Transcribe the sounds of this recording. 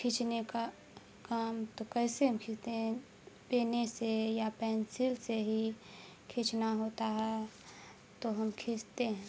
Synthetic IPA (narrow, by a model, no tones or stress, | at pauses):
kʰɪt͡ʃneka | kaːmt̪okɛːseɦəmkʰɪst̪eɦɛ̃ | peːnesejapɛ̃ːnsɪlseɦi | kʰɪt͡ʃnaɦoːt̪aɦɛ | t̪oɦɐmkʰɪst̪eɦɛ̃ː